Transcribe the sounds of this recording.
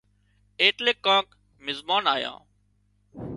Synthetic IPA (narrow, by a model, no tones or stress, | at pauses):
eːʈleːkːãːk | mɪzbaːnaːjã̰ː